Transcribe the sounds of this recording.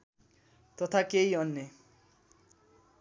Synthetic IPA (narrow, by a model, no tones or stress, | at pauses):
t̪ɔt̪ʰakejɔnːe